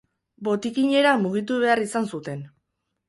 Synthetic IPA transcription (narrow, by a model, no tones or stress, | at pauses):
bo̞t̪ikiɲe̞ɾamuɣ̞it̪uβe̞arisansut̪e̞n